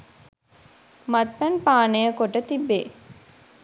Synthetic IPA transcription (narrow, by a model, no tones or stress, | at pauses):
mɐt̪̚pænpaːnejəkoʈət̪ibːeː